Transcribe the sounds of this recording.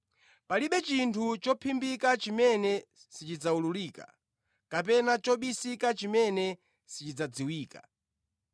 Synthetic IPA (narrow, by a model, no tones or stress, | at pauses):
paliɓɛt͡ʃintʰut͡ʃɔpʰimbikat͡ʃimɛnɛ | sit͡ʃid͡zaululiːka̰ | kap̬ɛnat͡ʃɔɓisikat͡ʃimɛnɛ | sit͡ʃid͡zad͡ziwiːka̰